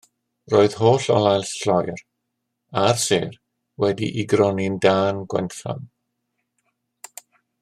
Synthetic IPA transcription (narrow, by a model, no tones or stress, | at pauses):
roːɨð̥hoːɬɔ̰lˠajlɬɔjr | arseːr | wɛdḭʔiɡrɔnɪndaːnɡwɛ̰nθa̰m